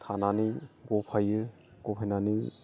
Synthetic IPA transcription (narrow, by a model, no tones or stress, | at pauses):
t̪ʰananiɡɔpʰajɯ | ɡ̥ɔpʰajnani